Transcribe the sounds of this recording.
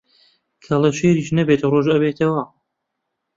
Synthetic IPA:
kʰɐlɐʃeːɾiːʃnɐbet̪roʒɐbeːt̪ʰɐwɐ

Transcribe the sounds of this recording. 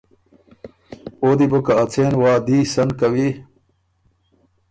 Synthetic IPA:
oːd̪ibokɐɐt͡sʰeːnwaːd̪iːsɐnkɐwi

